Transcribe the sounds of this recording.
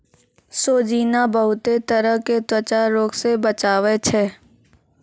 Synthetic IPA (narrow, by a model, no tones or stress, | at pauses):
soːd͡ʒiːnabəɦʊt̪et̪əɾəɦket̪ət͡ʃaɾoːksebət͡ʃaːʋet͡ʃʰɛː